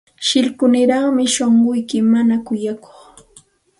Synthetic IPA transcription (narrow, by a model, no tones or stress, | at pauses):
ʃɪlkʊnɪɾaχmɪʃoɴɢʊjkɪmanakʊjako̥χ